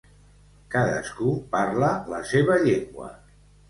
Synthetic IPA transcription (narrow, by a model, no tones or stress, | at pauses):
kaðə̰skuparlələseβəʎeŋɡwə̰